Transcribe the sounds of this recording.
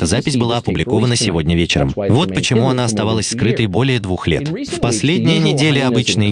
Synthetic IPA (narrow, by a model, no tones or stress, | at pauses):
t̪əzapʲɪsʲbɨlˠaɐpʊblʲɪko̞vənəsʲɪvo̞dʲnʲəvʲet͡ɕɪɾə̰mvo̞t̪pət͡ɕɪmuɐnaɐst̪ɐvalˠəsʲskɾɨt̪əjbo̞lʲɪjəd̪vuxlʲet̪fpɐsʲlʲedʲnʲɪjənʲɪdʲelʲɪɐbɨt͡ɕnɨj